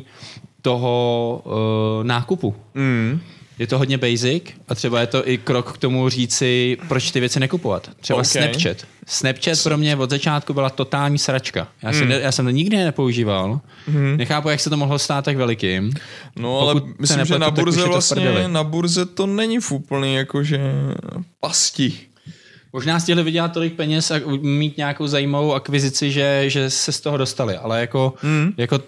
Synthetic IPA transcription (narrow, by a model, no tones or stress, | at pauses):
t̪o̞ɦo | naːkupu | jɛt̪oɦodɲɛbɛjzɪkʔat̪r̥ɛbajɛt̪o̞ʔɪkɾokːt̪o̞muriːt͡sɪpɾot͡ʃt̪ɪvjɛt͡sɪnɛkupova̰t̪ːr̥ɛbasnɛt͡ʃɛt̪snɛpt͡ʃɛt̪pɾo̞mɲɛvo̞d̪zat͡ʃaːt̪̚kubɪlat̪o̞t̪aːlɲiːsɾat͡ʃka̰jaːsɛnɛjaːsɛmt̪oɲɪɡdɪnɛpo̞uʒiːval | nɛxaːpujaksɛt̪omoɦlost̪aːt̪ːakvɛlɪkɪːmnoaolɛkumɪslɪnɛmʒɛnb̪auɾzɛɛvltaspɾ̩ɲɛdɛlɪnabuɾzɛt̪onɛɲɪfupl̩ɲiːjakoʒɛ | pascɪ | mo̞ʒnaːs̬cɪɦlɪvɪɟɛlat̪̚ːo̞lɪk̚pɛɲɛsamiːt̪ɲaako̞wzajiːmavo̞wakvɪzɪt͡sɪʒɛʒɛsɛst̪oɦodo̞st̪alɪʔalɛjako̞jako̞